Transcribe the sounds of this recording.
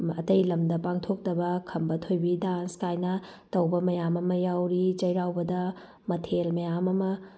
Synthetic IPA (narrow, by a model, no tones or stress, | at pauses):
ɐ̰tɐjlɐmdɐpaŋtʰok̚tɐbɐkʰɐmbɐtʰojbidanskajnɐtɐwbɐmɐjamɐmɐjawɾit͡ʃɐjɾawbɐdɐ | mɐtʰelmɐjamɐmɐ